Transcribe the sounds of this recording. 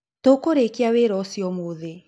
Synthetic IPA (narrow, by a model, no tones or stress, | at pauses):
tokoɾekiaweɾɔsiɔmoðe